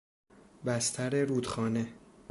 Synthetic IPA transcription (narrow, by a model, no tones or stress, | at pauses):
bæst̪ʰæɾeɾuːd̪xɒːne